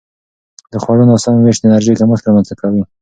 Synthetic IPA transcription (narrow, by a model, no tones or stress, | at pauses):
d̪əxwaɽunɑsɑnweʃd̪ɪnaɾʒejkaməxt̪ɾamanzakawi